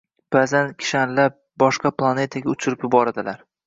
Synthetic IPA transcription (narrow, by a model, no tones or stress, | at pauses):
b̥aːzankʲʰɪ̥ʃanlap̚bɒʃqɑplˠane̞t̪ʰaɡʲaʊt͡ʃʰʊɾɪpjʊbɒɾad̪ɪlaɾ